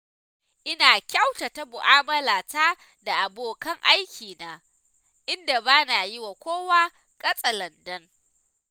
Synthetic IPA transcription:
ʔɪ˦naː˨kʲa˦wta˨ta˦mʊ˨ʔaː˦mɐ˦laː˨taː˦ | da˨ʔa˨boː˨kɐ˦ŋʔa˦jkʲiː˨naː˨ | ʔɪ˦nda˨baː˦na˨jɪ˦wa˨kʷoː˦waː˦ | kʼɐ˦sʼɐ˨lɐ˨ndɐ˦ŋ

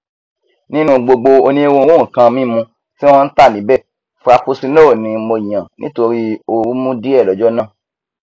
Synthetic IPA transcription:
nĩ˦nũ˧ɡ͡bo˧ɡ͡bo˧o˧nĩ˦e˦wõ˧wõ˦˨kã˧mĩ˦˨mũ˧ | tĩ˦ã˦n̩˦ta˦˨nĩ˨˦bɛ˦˨ | fu˦a˧pu˦si˧˦lo˦o˦˨nĩ˧mo˧i˨jã˨nḭ̃˦to˧ɾi˦o˧ɾu˦mũ˦di˦ɛ˦˨lɔ˨˦d͡ʒɔ˦nãː˦˨

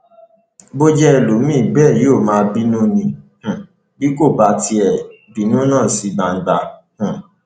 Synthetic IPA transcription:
bo˦d͡ʒɛ˦ɛ˦˨lo˨˦mĩ˦˨bɛː˦˨jo˦˨mãː˨˧bi˦nũ˦nĩ˧h̩˨ | bi˦ko˦˨ba˧˦ti˧ɛ˨ | bi˨˦nũ˦nãː˦˨si˨˦ɡ͡ba˨n̩˦ɡ͡ba˧˨ | h̩˨

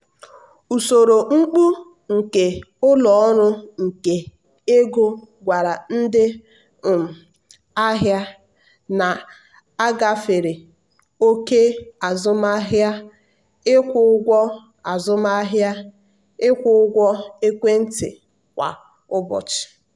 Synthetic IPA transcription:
u˨so˨ɾo˨ŋ͡m̩˦k͡pu˦ | ŋ̩˨ke˨ʊ˦lɔ˨ɔ˦ɾʊ˦ŋ̩˨ke˨ | e˦ɡo˦ɡʷa˨ɾa˨n̩˦dɪ˦˨ | m̩˨ | a˦ɦja˦ | na˨ | a˦ɡa˦fe˨ɾe˨ | o˦ke˦a˨zʊ˦ma˦ɦja˦ | ɪ˦kʷʊ˦ɡʷɔ˦ | a˨zʊ˦m˦a˦ɦja˦ | ɪ˦kʷʊ˦ʊ˦ɡʷɔ˦e˦kʷe˦n̩˦tɪ̰˨ | kʷa̰˨ | ʊ˦bɔ̰˨t͡ʃɪ̥˨

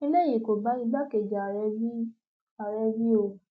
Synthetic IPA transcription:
i˦le˦˨ji˨ko˨ba˨˦i˧ɡ͡ba˦ke˨d͡ʒa˨ɾɛ˧i˦ | a˨ɾɛ˧vi˦o˧˨

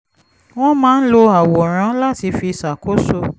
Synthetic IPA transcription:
w̃ɔ̃˦mãː˦n̩˦lo˧a˨wɔ˨ɾ̃ã˨˦la˦ti˧fi˧sa˨kʰo˦so˦˨

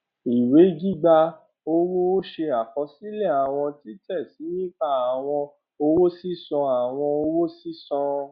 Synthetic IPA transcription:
i˨we˨˦ɡi˦ɡ͡ba˧ | o˧wo˦o˦ʃe˧a˨kɔ˨˦si˦lɛ˦˨a˨w̃ɔ̃˧ti˦tɛ˦˨si˨˦ĩ˦k͡pa˦˨a˨w̃ɔ̃˧ | o˧wo˦si˦sɔ̃˧a˨w̃ɔ̃˧o˧wo˦si˦sɔ̃˧

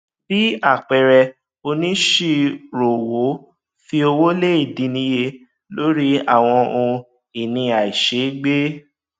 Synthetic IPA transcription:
b̥i˨˦a˦˨k͡pɛ˨ɾɛ˧ | o˧nĩ˦ʃe˧ɾo˨wo˨˦ | fi˧o˧wo˦le˦i˦˨dĩ˨˧˦nĩ˨˦je˧ | lo˦ɾi˦a˦˨w̃ɔ̃˧ũ˧ | i˨nĩ˧a˨i˨ʃe˨˦ɡ͡be˦

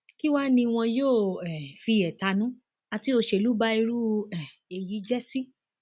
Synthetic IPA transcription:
ki˦wa˦nĩ˧w̃ɔ̃˧joː˦˨ɛ˨fi˧ɛ˨ta˧nũ˨˦ | a˧ti˦o˧ʃe˧˨lu˨˦ba˦i˧ɾu˦ɛ˨ | e˨ji˨˦d͡ʒɛ˦si˦

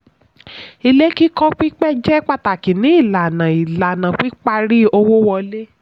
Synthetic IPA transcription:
i˧le˦ki˦kɔ˦k͡pi˦k͡pɛ˦d͡ʒɛ˦k͡pa˦˨ta˨ki˨nĩ˨˦i˦˨la˨nã˨i˨la˨nã˨k͡pi˦k͡pa˧ɾi˦o˧wo˦wɔ˧le˦

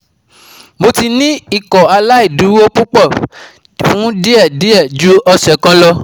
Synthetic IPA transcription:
mo˧ti˧nĩ˦i˨kɔ˨a˧la˦i˦˨du˨˦o˦k͡pu˦k͡pɔ˦˨ | fũ˨˦di˦ɛ˦˨di˦ɛ˦˨d͡ʒu˨˦ɔ˧sɛ˨kã˦lɔ˧

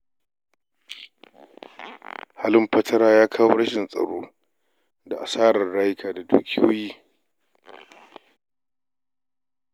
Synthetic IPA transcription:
ha˦lɪ˦mɸɐ˦tʰɐ˦ɾaː˦jaː˦kʰaː˦wo˦ɽɐ˦ʃɪ˨nsʼɐ̰˨ɽoː˦ | da˨ʔa˨saː˦ɽɐ˨rɽaː˦jɪ˦kʰaː˨da˨dṵː˦kʲɪ˦jo̰ː˦jiː˦

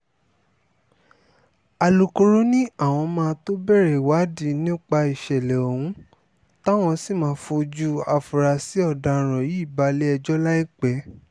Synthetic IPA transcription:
a˨lo˨ko˧ɾo˦nĩ˦a˦˨w̃ɔ̃˧mãː˧to˦bɛ˦˨ɾɛ˨wa˨˦di˧˦nĩ˦k͡pa˧i˨ʃɛ˨lɛ˨o˨hũ˦ | ta˦w̃ɔ̃˧si˦˨mãː˨˦fo˧d͡ʒu˦a˨fu˨ɾa˧si˨˦ɔ˦˨dã˨˧˨ɾ̃ɔ̃˨ji˨˦˨ba˨˧le˦ɛ˧d͡ʒɔ˦la˦i˦k͡pɛ˨˦

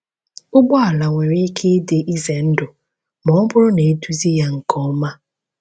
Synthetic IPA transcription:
ʊ˦ɡ͡bɔ˦a˨la˨ŋʷe˨ɾe˦i˦kʰe˦de˨ʔi˦ze˨n̩˦dʊ˨ | mɔ˨˦bʊ˦ɾʊ˦ne˨e˦tu˦zi˦ja˦ŋ̩˨kʰɔ˦ma˦

